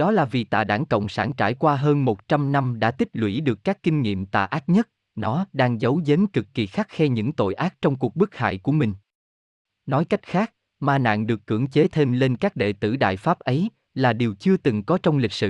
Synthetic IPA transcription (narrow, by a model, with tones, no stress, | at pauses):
ɗɔ˨˦laː˨˩vi˨˩t̪a̰ː˧˨ɗaː˧˩ŋkə̰˧˨wŋ͡msaː˧˩nt͡ɕa̰ː˧˩jkwaː˧ɦəː˧nmo˨˩t̚t͡ɕa˧mna˧mɗa̰ː˧˥t̪ï˦˥k̚lwḭ˧˩ɗɨ˨˩əkːaː˦˥kːï˧ŋ̟ŋḭ˧˨əmt̪a̰ː˧˨ʔaː˦˥t̚ɲə˦˥t̚ | nɔ˨˦ɗaː˧ŋzə˨˦wze˨˦nkɨ˨˩kːi˨˩xa˦˥k̚xɛ˧ɲɨ̰˧˥ŋt̪o̰˧˨jʔaː˦˥t̚t͡ɕɔ˧wŋ͡mku˨˩ək̚ɓɨ˦˥k̚ha̰ː˧˨jku˧˩əmï˨˩ŋ̟ | nɔ˨˦jka˦˥jk̟̚xaː˦˥k̚ | maː˧na̰ː˧˨ŋɗɨ˨˩əkːɨ̰˧˩əŋt͡ɕe˨˦t̪ʰe˧mle˧nkaː˦˥k̚ɗḛ˧˨t̪ɨ̰˧˩ɗa̰ː˧˨jfaː˦˥p̚ʔə˨˦j | laː˨˩ɗi˨˩əwt͡ɕɨ˧ət̪ɨ˨˩ŋkɔ˨˦t͡ɕɔ˧wŋ͡mlï˨˩k̚sɨ̰˧˨